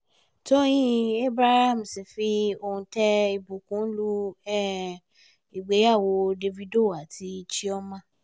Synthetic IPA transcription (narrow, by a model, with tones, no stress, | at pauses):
to˦j̃ĩ˦e˦bɾa˦ha˦˨m̩˨si˨fi˦o˧hũ˧tɛ˦i˧bu˨kũ˨˦lu˦ɛ˦˨ | i˨ɡ͡be˨˦ja˦˨wo˧de˧vi˦do˦˨a˨tʰi˧˦t͡ʃi˦ɔ˦mã˦